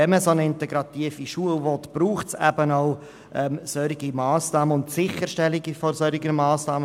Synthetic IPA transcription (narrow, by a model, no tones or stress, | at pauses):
ɛməsonəɪntɛɡɾɑt̪iːfiʃuəlvɔtb̥ɾuːχtsæbənɔʊ | ʔɛːmsœɾiɡimɑːsnɑːməʊntsɪχəɾʃtɛliɡifɔsœɾɪɡənmɑːsnɑːmə